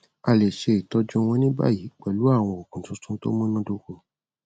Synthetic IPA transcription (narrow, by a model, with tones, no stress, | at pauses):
a˧˨le˨ʃe˧˨tɔ˧d͡ʒũ˧w̃ɔ̃˧nĩ˦ba̰˦˨ji˨˦k͡pɛ˨lu˨˦a˦˨w̃ɔ̃˧o˨kũ˨tũ˨˦tũ˦to̰˦mɔ̃˦nɔ̃˦do˧ko˧˨